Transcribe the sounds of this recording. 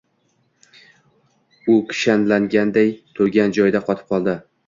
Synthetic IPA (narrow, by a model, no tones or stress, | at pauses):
ʊkʲʰɪ̥ʃanlaŋɡʲand̪ejt̪ʰʊɡʲand͡ʒɒjd̪aqʰɒt̪ʰɪ̥p̚qʰɒlˠd̪ɪ